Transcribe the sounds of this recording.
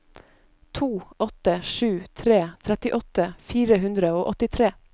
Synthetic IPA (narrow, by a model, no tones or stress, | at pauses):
t̪ʰuːɔt̪əʃʉːt̪ʰɾeːt̪ʰɾɛt̪ɪʔɔt̪əfiːɾəɦʉnd̪ɾəoːʔɔt̪ɪt̪ʰɾeː